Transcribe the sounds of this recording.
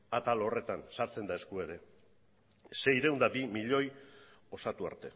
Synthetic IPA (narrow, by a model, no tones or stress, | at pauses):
at̪alo̞re̞t̪ansaɾt͡se̞nd̪ae̞skue̞ɾe̞ | se̞jɾe̞wnd̪abimiʎo̞j | o̞sat̪ua̰ɾt̪e̞